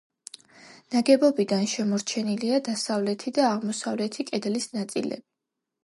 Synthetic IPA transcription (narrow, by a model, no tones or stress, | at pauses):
naɡɛbɔbid̪anʃɛmɔɾt͡ʃʰɛniliad̪asavlɛt̪ʰid̪aːʁmɔsavlɛt̪ʰikʼɛd̪lisnat̪sʼḭlɛ̰bi